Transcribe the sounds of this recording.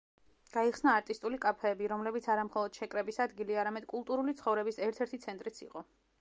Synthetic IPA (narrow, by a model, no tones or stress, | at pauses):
ɡ̥aiχsnaːɾt̪ʼist̪ʼulikʼapʰɛːbiɾɔmlɛbit̪sʰaɾamχɔlˠɔd̪̥ʃɛkʼɾɛbisad̪ɡiliaɾamɛd̪̥kʼulˠt̪ʼuɾulit̪sʰχɔvɾɛbisɛɾt̪ʰɛɾt̪ʰit̪sʰɛnt̪ʼɾit̪sʰḭqʼɔ